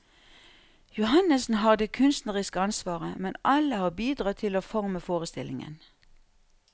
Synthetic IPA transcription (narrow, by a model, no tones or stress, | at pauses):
jʊhɑnəsn̩ɦɑːʁd̪eːkʰʉnst̪nəʁɪskəɑnsʋɑːʁəmɛnʔɑləhɑːbiːd̪ʁɑːt̪ʰɪloːfɔʁməfoːʁəst̪ɪlʔɪ̰ŋə̰n